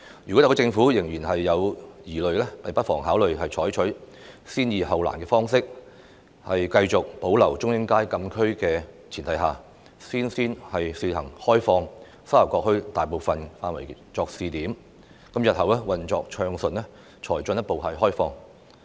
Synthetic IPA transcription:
jyː˨˩kɔ˨˥jɐ˨˧t͡sɪ˧ŋfuː˨˥jɪ˨˩ŋjyː˨˩nɦɐ˨jːɐ˨˧wjiː˨˩lɵ˨ɥlɛː˥pɐ˨jpɐ˥t̚fɔː˨˩ŋɦaː˨˥wlɵ˨ɥɦɐ˨jt͡ʃʰɔː˨˥jt͡ʃʰɵ˨˥ɥ | siː˥njiː˨˧ɦɐ˨wla̰ː˨˩nkɛː˧fɔː˥ŋsɪ˥k̚ | hɐ˨jkɐ˧jt͡sʊ˨k̚po˨˥wlɐ˨˩wt͡ʃʊ˥ŋjɪ˥ŋkaː˥jkɐ˧mkʰɵ˥ɥkɛː˧t͡sʰiː˨˩nt̪ʰɐ˨˧jɦaː˨˩ | siː˥nsiː˥nhɐ˨jsiː˧hɐ˨˩ŋhɔː˥jfɔː˧ŋ | sɐ˥wjɐ˨˩wkɔː˧k̚hɵ˧ɥt̪aː˨jpo˨˧wfɐ˨nfaː˧nwɐ̰˨˩jt͡ʃɔː˧k̚siː˨t̪iː˨˥m | kɐ˨˥mjɐ˨t̚hɦɐ˨wlɛː˥wɐ˨nt͡ʃɔː˧k̚t͡ʃʰœː˧ŋsɵ˨nɛː˥ | t͡ʃʰɔː˨˩jt͡sɵ˧njɐ˥t̚po˨˧whɐ˨jɦɔː˥jfɔː˧ŋ

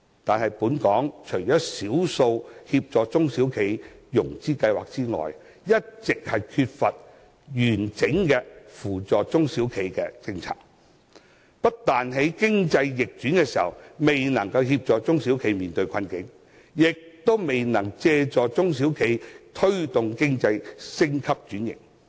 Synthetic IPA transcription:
t̪aː˨nhɐ˨jpuː˨˥nkɔː˨˥ŋt͡ʃʰɵ˨˩jjɔː˨˥siː˨˥wso˧whiː˧p̚t͡ʃɔː˨t͡sʊ˥ŋsiː˨˥wkʰe˨˥jjʊ˨˩ŋt͡siː˥kɐ˧jwaː˨k̚t͡siː˥ŋɔ̰ː˨˩j | jɐ˥t̚t͡sɪ˨k̚hɐ˨jkʰyː˧t̚fɐ˨t̚ | jyː˨˩nt͡sɪ˨˥ŋkɛː˧fuː˨˩t͡sɔː˨t͡sʊ˥ŋsiː˨˥wkʰe˨˥jkɛː˧t͡sɪ˧ŋt͡sʰa̰ː˨k̚ | pɐ˥t̚t̪aː˨nɦe˨˥jkɪ˥ŋt͡sɐ˧jːɪ˨k̚t͡ʃyː˨˥nkɛː˧siː˨˩hɐ̰˨˩wme˨jnɐ˨˩ŋkɐ˧whiː˧p̚t͡ʃɔː˨kt͡sʊ˥ŋsiː˨˥wkʰe˨˥jmiː˨nt̪ɵ˧ɥjkʰɐ˧nkɪ˨˥ŋ | jɪ˨k̚t̪o˥wme˨jnɐ˨˩ŋt͡sɛː˧t͡sɔː˨t͡sʊ˥ŋsi˨˥wkʰe˨˥jt̪ʰɵ˥ɥt̪ʊ˨ŋkɪ˥ŋt͡sɐ˧jsɪ˥ŋkʰɐ˥p̚t͡ʃyː˨˥njɪ̰˨˩ŋ̚

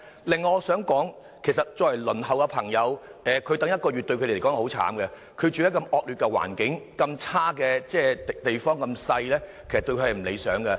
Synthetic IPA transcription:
lɪ˨ŋːɔ˧sœː˨˥ŋkɔː˨˥ŋ | kʰe˨˩jsɐ˨t̚t͡ʃɔː˧jɐ˨˩jlɵ˨˩nɦɐ˨˩wkɛ˧pʰɐ˨˩ŋjɐ˨˧wɛː˨kʰɵ˨˧t̪ɐ˨˥ŋjɐ˥t̚kɔː˧ɥy˨t̪ɵ˧ɥkʰɵ˧de˨˩˨kːɔː˨˥ŋ˧˩hwt͡sʰa̰ː˨˥mkɛ˧ | kʰɵ˨˧ɥt͡ʃy˨˧jɐ˥kɐ˧mɔː˨˧k̚lyː˨t̚kɛ˧wa̰ː˨˩nkɪ˨˥ŋkɐ˧mt͡sʰaː˥kɛ˧t͡sɛː˥t̪e˨jfɔː˥ŋkɐ˧msɐ˧jlɛː˥kʰe˨˩sɐ˨t̪o˧ɥkʰɵ˧hɐ˨jm̩˨˩lḛ˨˧jsœː˨˥ŋkɛ˧

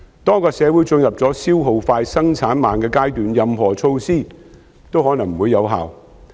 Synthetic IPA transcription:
t̪ɔː˥kɔː˧sɛ˨˧wuː˨˥jt͡sɵ˧njɐ˨p̚t͡sɔː˨˥siː˥wɦo˨wfaː˧jsɐ˥ŋt͡sʰaː˨˥nmaː˨nkɛː˧kaː˥jt̪yː˨njɐ˨mɦɔː˨˩t͡sʰo˧wsiː˥ | t̪o˥whɔː˨˥nɐ˨˩ŋm̩˨wuː˨˧jːɐ˨˧wɦa̰ː˨w

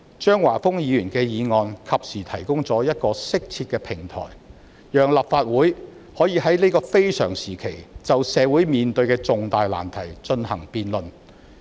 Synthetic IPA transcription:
t͡ʃœː˥ŋwaː˨˩fʊ˥ŋjiː˧jyː˨˩nkɛː˧jiː˨˧ŋɔː˨˧nkʰɐ˨p̚siː˨˩t̪ʰɐ˨˩jkʊ˥ŋt͡sɔː˨˥jɐ˥t̚kɔː˧sɪ˥k̚t͡sʰi˧t̚kɛ˧pʰɪ˨˩ŋt̪ʰɔ̰ː˨˩j | jœː˨˩ŋlɐ˨p̚faː˧t̚wuː˨˥j | hɔː˨˥jiː˨˧hɐ˨˥jne˥kɔː˧fe˥jsœ̰ː˨˩ŋsiː˨˩kʰe˨˩jt͡sɐ˨wsɛː˨˧wuː˨˥jmiː˨nt̪ɵ˧ɥkɛː˧t͡sʊ˨ŋt̪aː˨jla̰ː˨˩nt̪ʰɐ˨˩jt͡ʃɵ˧nhɐ˨˩ŋpiː˨nlɵ˨n

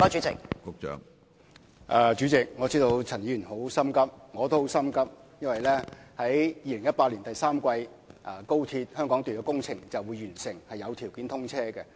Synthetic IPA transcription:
ɔ˨˧t͡ʃy˨˥t͡sɪ̰˨k̚kʊ˨k̚t͡ʃœ̰ː˨˧ŋ | ʔɐː˨˧t͡ʃyː˨˥t͡sɪ˨k̚ŋɔː˨˧t͡siː˥t̪o˧wt͡sʰɐ˨˩njiː˨˥jy˨˩nho˨˥wsɐ˥mkɐ˥p̚ŋɔː˨˧t̪o˥who˨˥wsɐ˥mkɐ˥p̚jɐ˥nwɐ˨jlɛː˥hɐ˨˥jjiː˧lɪ˨˩ŋjɐ˥t̚paː˧t̚li˨˩nt̪ɐ˨jsaː˥mkʷɐ˧j | ʔɐ˧˩ko˥wt̪ʰiː˧t̚hœː˥ŋkɔː˨˥ŋt̪yː˨nɔː˧˥kʊ˥ŋt͡sʰɪ˨˩ŋt͡sɐ˨wuː˨˧jːyː˨˩nsɪ˨˩ŋhɐ˨jɐ˨˧wt̪ʰi˨˩wkiː˨˥nt̪ʰʊ˥ŋt͡sʰɛː˥kɛ˧

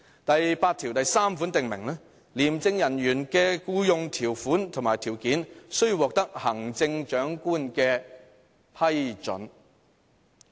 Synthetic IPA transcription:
t̪ɐ˨jpaː˧t̚t̪ʰi˨˩wt̪ɐ˨jsaː˥mfuː˨˥nt̪ɪ˨ŋmɪ̰˨˩ŋlɛː˥ | liː˨˩mt͡sɪ˧ŋjɐ˨˩njyː˨˩nkɛː˧kuː˧jʊ˧ŋt̪ʰiː˨˩wfuː˨˥nt̪ʰʊ˨˩ŋmaː˨˩jt̪ʰiː˨˩wkiː˨˥nsɵ˥ɥwɔː˨k̚t̪ɐ˥k̚hɐ˨˩ŋt͡sɪ˧ŋt͡ʃœː˨˥ŋkuː˥nkɛː˧ | pʰɐ˥jt͡ʃɵ̰˨˥n

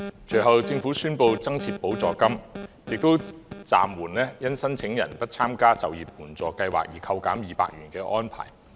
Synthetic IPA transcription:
t͡ʃɵ˨˩ɥɦɐ˨wt͡sɪ˧ŋfuː˨˥syː˥npo˧wt͡sɐ˥ŋt͡sʰiː˧t̚po˨˥wt͡sɔː˨kɐ˥m | jɪ˨k̚t̪o˥wt͡sa̰ː˨mwuː˨˩nlɛː˥jɐ˥nsɐ˥nt͡sʰɪ˨˥ŋjɐ̰˨˩npɐ˥t̚t͡sʰaː˥mkaː˥t͡sɐ˨wjiː˨˩p̚muː˨˩nt͡sɔː˨˩kɐ˧jwa̰ː˨k̚jiː˨˩kʰɐ˧wkaː˨˥mjiː˨pa̰ː˧k̚jyː˨˩nkɛː˧ʔɔː˥npʰa̰ː˨˩j

